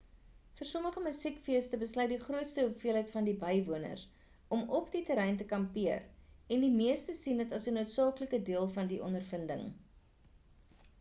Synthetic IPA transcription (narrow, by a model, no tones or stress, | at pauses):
fərsɔməχəməsikfiəstəbəslœɥt̚diχruətstəufiəlɦəjtfɐndibəjvuənə̰rs | ɔmɔpditəɾɛjntəkɐmpiərɛndimiəstəsindətɐsənuətsɑːkləkədiəlˠfɐndiʔɔ̰ndərfəndə̰ŋ